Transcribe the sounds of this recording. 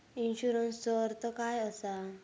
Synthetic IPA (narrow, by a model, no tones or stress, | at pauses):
inɕuɾənsːɔɾt̪ɔkajɔsa